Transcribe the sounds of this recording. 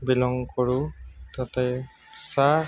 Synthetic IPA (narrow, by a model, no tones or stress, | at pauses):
bilɔŋkɔɹutatɛ | sa